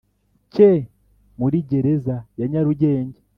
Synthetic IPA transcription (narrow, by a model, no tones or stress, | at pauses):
ce | muɾiːɟe̞ɾezajaɲaɾuɟe̞ːɲɟe